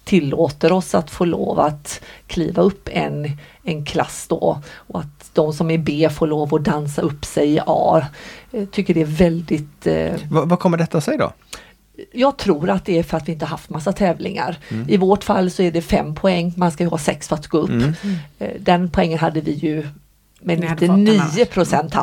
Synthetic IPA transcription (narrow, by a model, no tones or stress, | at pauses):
t̪ʰɪlːoːt̪əɾɔsat̪foːɭo̰ːvaat̪kʰlḭːvaɵpːɛ̰n | ɛnkʰlasːd̪ɔ̰ɔat̪ | d̪̥ɔmsɔmæɾbeːfoːɾɭoːvɔd̪ansaɵpːsɛjɪʔɑ̰ː | t̪ʰʏkːəɖɛæɾvɛld̪ɪt̪vavakʰɔmːəɖɛt̪ːasɛɪd̪ɔ̰ | jɑːɡ̚t̪ʰɾuːɾat̪̚d̪ɛæɾfœɾat̪vɪɪnt̪əhaɾhaft̪masːat̪ʰɛːvlɪ̰ŋa̰ɾɪvoːʈfa̰lːsɔæɖɛfɛmːpʰɔɛŋːmanskajɵhɑːsɛksfœɾat̪ɡoːɵpː | d̪ɛnpʰɔɛŋːənɦad̪ːəvɪjɵ | mɛnɪt̪ːəniːəpʰɾʊsɛnt̪